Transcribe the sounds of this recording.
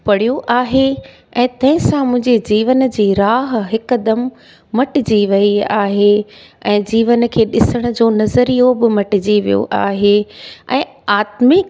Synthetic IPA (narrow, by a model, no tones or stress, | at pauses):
pɐɽ̤ijoʔaːɦe | ɛ̃ːt̪ɐ̃ɦɪ̃sãmʊ̃ɦɪ̃ɲd͡ʑed͡ʑiːʋənd͡ʑiːɾaːɦɦɪkd̪ɐmː | ɐʈɪd͡ʑiʋɐiaːɦe | ɛ̃ːd͡ʑiːʋənkʰeːɗɪsəɽ̃ʊ̆d͡ʑoːnɐzəɾijobɪmɐʈɪd͡ʑiʋḭjo̰ʔaːɦeʔɛ̃ː | aːt̪mɪk